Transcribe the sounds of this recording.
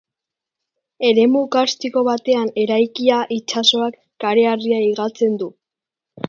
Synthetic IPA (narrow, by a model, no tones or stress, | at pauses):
e̞ɾe̞mukast̪iko̞βat̪e̞ane̞ɾajkiaʔit͡ʃaso̞akːaɾe̞ariaiɣat͡se̞nd̪u